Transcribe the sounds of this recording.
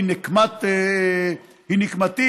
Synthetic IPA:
nikmat̪ | hinikmat̪i

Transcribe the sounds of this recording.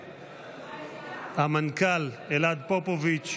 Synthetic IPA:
hamankalelad̪popovit͡ʃ

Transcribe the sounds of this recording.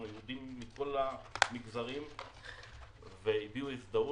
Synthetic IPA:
nujod̪imːiko̞lamiɡzaʁim | veibiuisd̪au

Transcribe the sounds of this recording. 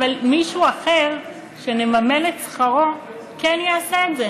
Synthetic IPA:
valmiʃuaχeʁ | ʃe̞ne̞mame̞net͡sχaʁo̞ | kenjaːseːtze

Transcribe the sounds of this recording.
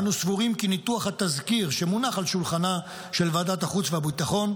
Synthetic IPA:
nusvuʁimkinit̪uaχhat̪azkiʁʃemunaχalʃulχana | ʃe̞lvaːd̪at̪aχut͡sveabit̪aχo̞n

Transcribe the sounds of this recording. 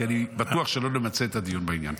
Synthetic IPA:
anibat̪uaχʃelo̞lemat͡seet̪ad̪ijunbainja̰n

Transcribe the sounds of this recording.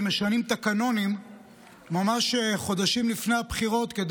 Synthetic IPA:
meʃanimt̪akano̞nimː | amaʃeχo̞d̪aʃimlifnehapχiʁo̞t̪ked̪

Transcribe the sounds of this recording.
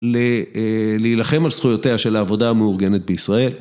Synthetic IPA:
leleilaχe̞malsχujo̞teaʃe̞laːvo̞daameuʁɡe̞net̪̚beisʁae̞l

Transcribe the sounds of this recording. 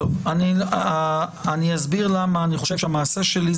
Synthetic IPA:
ovani | niazbiʁlamaːniχo̞ʃev̥ʃeamaːseʃeli

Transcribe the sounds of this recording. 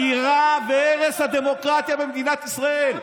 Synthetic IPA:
iʁaveeʁeshad̪e̞mokʁat̪jabemd̪inat̪isʁael

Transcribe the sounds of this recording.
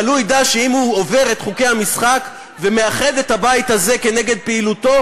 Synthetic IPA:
alujd̪aʃeimhuove̞ʁet̪χuke̞jhamisχak | veme̞aχe̞de̞thabaithaze̞ke̞neɡe̞d̪̚peiluto̞

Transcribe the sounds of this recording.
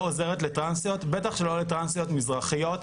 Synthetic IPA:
oze̞ʁetletʁansijo̞t̪be̞taχʃelo̞let̪ʁansijo̞t̪mizʁaχijo̞t̪

